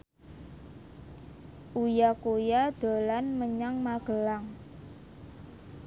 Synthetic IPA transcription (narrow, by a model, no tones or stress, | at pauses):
ʔujakojad̪̥o̤lanməɲaŋmaɡ̥əlaŋ